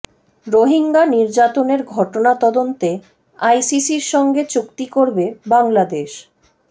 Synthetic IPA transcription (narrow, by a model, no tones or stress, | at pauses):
ɾoɦiŋɡaniɾd͡ʑat̪oneɾɡʱɔʈonat̪ɔd̪ont̪e | ajsisiɾʃɔŋɡet͡ɕukt̪ikoɾbebaŋlad̪eʃ